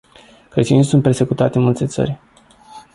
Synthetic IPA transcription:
kɾet̪iunisunt̪̚pe̞rse̞kut̪at̪enmult̪e̞t̪sə̰rʲ

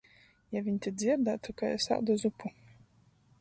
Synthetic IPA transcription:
javʲiɲʲt̪ʲid̪zʲiɾd̪at̪ukaɛsa̰d̪ɔzupu

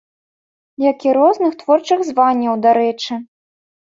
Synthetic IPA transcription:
jakʲiɾɔznɨxt̪vɔrt͡ʂɨɣzvanʲːɐwd̪aɾɛt͡ʂɨ

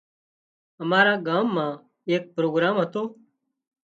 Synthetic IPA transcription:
əmaːɾãːɡaːmːãː | eːk̚pɾoːɡɾaːmɦət̪oː

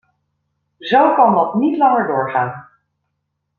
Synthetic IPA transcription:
zowkɑndɑtnitlɑŋəɹdʊːɹχaːn

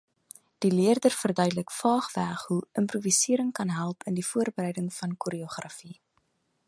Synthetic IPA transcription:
d̥iliərdərfərdœɥdələkfɑːχvæχɦuʔəmpruvisiəɾəŋkɐnɦælˠpəndifuərbəɾɛjdəŋfɐnkuɾioχrɐfi

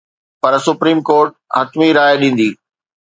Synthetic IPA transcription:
pɐɾsʊpɾiːmkoːɾʈ̚ | hɐt̪miɾaːjɗĩːn̆d̪iː

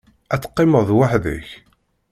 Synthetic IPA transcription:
æt͡sːə̥qːɪməðˤwaħðə̰ç

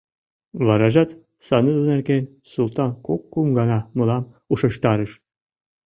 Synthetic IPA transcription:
βɑɾɑʒɑt̪ | sɑnɯzunerkenʲ | sulˠt̪ɑnkokːumɡɑnɑmɤlˠɑm | uʃɤ̆ʃt̪ɑɾɯʃ

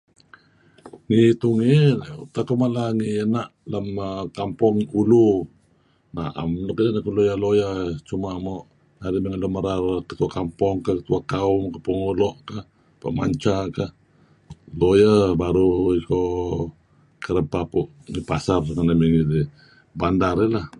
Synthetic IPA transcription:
ŋit̪uŋiṵt̪akomalaŋiənaʔlamkampɔŋulu | na̰a̰mlɔʔkədanakulojalojat͡ʃumamoʔ | naɾimiŋəlɔmaɾarkə̥t̪uakampɔŋkakət̪uakaumkampɔŋolɔʔka | pa̰ʔma̰ɲt͡ʃaka | lojabaɾuiko | kəɾəpapuʔŋipasarŋanamiŋidi | bandarilah

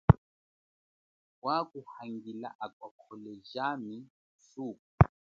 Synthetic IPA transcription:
wakuhaŋɡila̰ʔakwakʰɔlɛʒami | suːk̚u

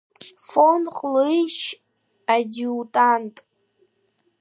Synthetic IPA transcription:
fonqʼlɨjʃ | adiwtʼantʼ

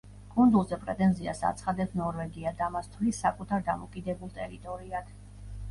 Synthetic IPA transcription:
kʼund̪ulˠzɛpʼɾɛt̪ʼɛnzia̰sa̰t̪sʰχad̪ɛpsnɔɾvɛɡiad̪amast̪ʰlisːakʼut̪ʰaɾd̪amɔkʼid̪ɛbulˠt̪ʼɛɾit̪ʼɔɾiad̪̥

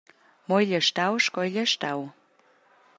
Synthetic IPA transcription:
mojʎʲəʃt̪awʃkojlʲəʃt̪aw

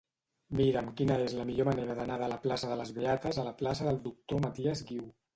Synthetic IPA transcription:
miɾəmkinəezləmiʎoməneɾəðənaðələplasəðələzβeat̪əzələplasəðəlˠd̪uk̚t̪omət̪iəzɣiw

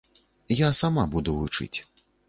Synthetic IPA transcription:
jasamabud̪uvut͡ʂɨ̰t͡sʲ

